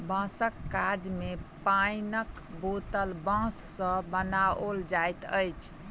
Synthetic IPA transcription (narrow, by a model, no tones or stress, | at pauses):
bə̃səkːad͡ʒmepainək | bot̪əlbãsːə̃bənaold͡ʒajt̪ə̰jt͡ʃʰ